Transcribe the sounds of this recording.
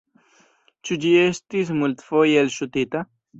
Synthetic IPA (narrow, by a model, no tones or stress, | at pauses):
t͡ʃud͡ʑiest̪ismult̪fojelɕut̪it̪a